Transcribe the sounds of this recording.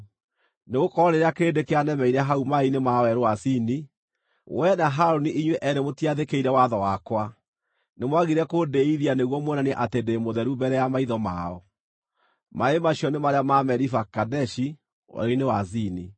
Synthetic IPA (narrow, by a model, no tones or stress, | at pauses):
neɣokɔɾɔɾeɾeakeːdekeanɛmɛiɾɛɦaumainemawɛɾowasini | wɛnaɦaɾoniʔiɲweʔɛɾemotiaðekeiɾɛwaðɔwakwa | nemwaɣiɾɛkodeiðianeɣwɔmwɛnaneʔatendemoðɛɾubɛɾɛjamaiðɔma̰ɔ | maemaɕiɔnemaɾeamamɛɾifakadɛʃi | wɛ̰ɾoinewasini